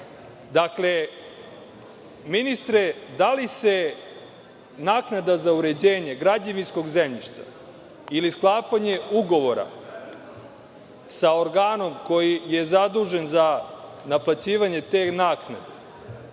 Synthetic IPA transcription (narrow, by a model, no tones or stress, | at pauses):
d̪akle̞ | minist̪ɾed̪alise̞ | naːknad̪azauɾe̞d͡ʑeːɲeɡɾad͡ʑaʋinsko̞ɡzemʎiʃt̪a̰ | ilisklˠaːpaɲe̞uɡo̞ʋo̞ɾa̰ | saoɾɡaːno̞mko̞jijezad̪uːʒe̞nzanaplat͡ɕiːʋaɲe̞t̪eːnaːkna̰d̪e